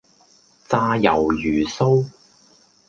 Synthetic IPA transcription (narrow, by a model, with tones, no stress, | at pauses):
t͡saː˧jɐ˨˩wjyː˨˩so˥w